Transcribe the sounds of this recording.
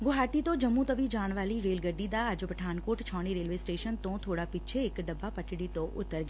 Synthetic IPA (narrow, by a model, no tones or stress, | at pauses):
ɡoɦaːʈit̪õd͡ʒəmːũt̪əʋid͡ʒaːɽ̃ʋaːliɾeːlɡəɾɖid̪aad͡ʒopəʈʰaːnkoːʈt͡ʃʰɔ̃ːɽ̃iɾeːlʋesʈeːʃənt̪õt̪ʰoːɽapɪt͡ʃʰeːkɖəbːapəʈɽit̪oʔʊt̪ːəɾɡa